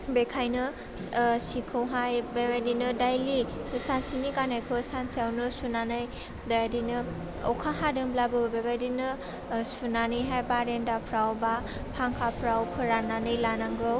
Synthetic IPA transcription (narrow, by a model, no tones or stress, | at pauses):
bekʰajnɯ | sikʰɯwɦajbebajdinɯdajlisansinikanajkʰɯsansijawnɯsunanɯj | dadinɯ | ɔ̰wkʰaɦadɯŋblabɯbbebajdinɯ | sunanɯjɦajbaɾendapʰɾawba | pʰaŋkʰapʰɾawkʰɯɾananɯjlanaŋɡɯw